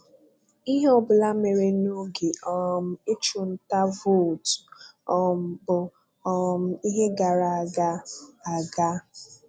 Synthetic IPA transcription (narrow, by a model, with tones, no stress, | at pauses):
i˦ɦe˦ɔ˨bʊ˨la˦me˨ɾe˨no˦ɡe˨ɔ˨m̩˦e˦t͡ʃu˨n̩˦ta˦vo˦˨tɔ˨bʊ˨ | ɔ˦m̩˦i˦ɦe˦ɡa˨ɾa˨a˨ɡa˦a˨ɡa˦